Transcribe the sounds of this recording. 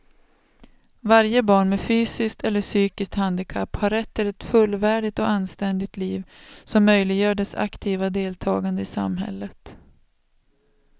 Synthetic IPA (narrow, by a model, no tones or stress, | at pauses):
vaɾjəbɑːɳmɛfyːsɪskt̪ɛlːəʂyːkɪskt̪hand̪ɪkʰapːhaɾɛt̪ʰːɪlɛt̪fɵlːvæːɖɪt̪ɔanst̪ɛnd̪ɪɡ̚t̪liːvsɔmːœjlɪɡjœːɖɛsa̰kt̪ʰiːvad̪eːlt̪ʰɑːɡand̪əɪsa̰mɦɛ̰lːət̪